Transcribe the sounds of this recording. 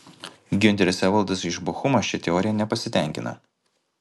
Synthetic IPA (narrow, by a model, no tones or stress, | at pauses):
ɡʲʊnʲt̪ʲɛɾʲɪsʲɛʋɐlˑˠd̪ɐsɪʒbʊxʊmɐʃʲɪt̪ʲɛɔːɾʲɪjɛnʲɛpɐsʲɪt̪ʲæˑŋʲkʲɪnɐ̰